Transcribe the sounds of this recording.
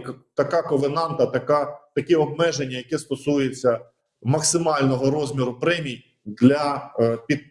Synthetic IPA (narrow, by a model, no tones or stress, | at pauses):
kt̪ɐkɑkɔʋenɑnt̪ɐt̪ɐkat̪ɐkɛɔb̚mɛʒenʲːɐjɐkɛst̪ɔsujet͡sʲːɐ | mɐksɪmɑlʲnɔɦɔɾɔzʲmʲiɾʊpɾɛmʲij | d̪lʲɐpʲi